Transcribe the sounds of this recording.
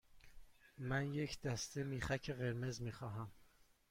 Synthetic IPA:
mænje̞cʰd̪̥æst̪emiːχæcʰeɣe̞ɾme̞zmiːxɒːɦæm

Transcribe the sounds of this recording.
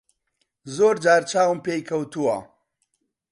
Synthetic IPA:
zoːɾd͡ʒaːɾt͡ʃʰaːwmpeːjkʰɐwt̪uwɐ

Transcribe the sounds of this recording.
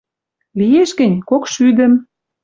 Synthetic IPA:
lijeʃɡə̆nʲkokʃyd̪ə̆m

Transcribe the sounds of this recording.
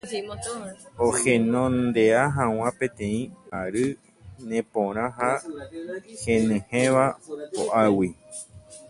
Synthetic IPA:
ohẽnõnd̪e̞aɦãw̃ãpẽ̞t̪ẽ̞ĩaɾɨ | nẽpõɾ̃ãɦa | hẽnɨ̃hẽʋaoʔawi

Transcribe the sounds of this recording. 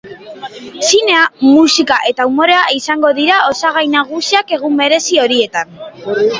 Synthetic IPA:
sine̞amusikaʔe̞t̪aumo̞ɾe̞aisaŋɡo̞ðiɾao̞saɣ̞ajnaɣ̞usiake̞ɣ̞umbe̞ɾe̞sio̞ɾie̞t̪an

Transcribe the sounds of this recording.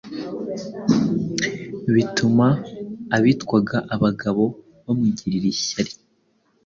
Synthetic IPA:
βitumaːβitwaɡaʔaβaɡaβo̞ | βomiɟiɾiɾiɕaɾi̥

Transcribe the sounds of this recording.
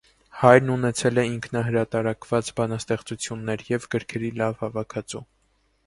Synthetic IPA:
hɑjɾnunɛt͡sʰɛlɛiŋkʰnɑɦəɾɑt̪ɑɾɑkvɑt͡sbɑnɑst̪ɛχt͡sut͡sʰjunːɛɾjɛvɡəɾkʰɛɾilɑvhɑvɑkʰɑt͡su

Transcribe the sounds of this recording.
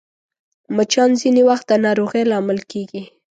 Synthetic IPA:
mət͡ʃɑnzinewaxt̪̚d̪ənɑɾoɣejlɑmɪlkeɡi

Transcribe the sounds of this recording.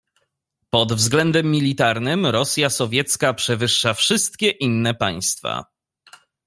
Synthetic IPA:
pɔd̪vzɡlɛnd̪ɛmːʲilʲit̪aɾnɘmɾɔsʲjasɔvʲjɛt̪skapʂɛvɘʂːafʂɘst̪kʲɛʔinːɛpaj̃st̪fa̰

